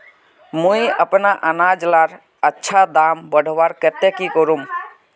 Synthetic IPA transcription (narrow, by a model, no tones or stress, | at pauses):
mũiəpnaʔənad͡ʒlaɾ | ətːʃʰad̪ambəɽ̤ʱʋaɾkət̪ekikɔɾum